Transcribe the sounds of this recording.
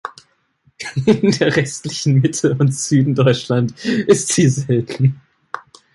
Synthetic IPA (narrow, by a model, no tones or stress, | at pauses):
ɪndeːɐʁɛstlɪçn̩mɪtʰl̩ʊntz̥yːdn̩dɔʏt͡ʃlantʔɪstz̥iːzɛltʰn̩